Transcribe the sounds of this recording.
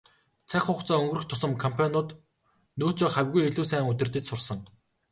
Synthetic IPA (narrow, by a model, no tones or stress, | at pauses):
t͡sʰæxʲʊːχt͡sɔːɵŋɡ̆rɘ̆xt̪ʰʊsə̆mkʰɔmpʰanʊːt̪ | noːt͡soːχæwʲɣujeɮuːsæːŋut̪ʲɘ̆rt̪ɘ̆t͡ɕsʊrsə̆ŋ